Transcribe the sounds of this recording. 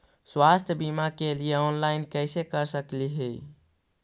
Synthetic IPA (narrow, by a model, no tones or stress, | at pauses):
swast̪ʰbimakelijeɔnlaɪnkəsekəɾsəkliɦɛ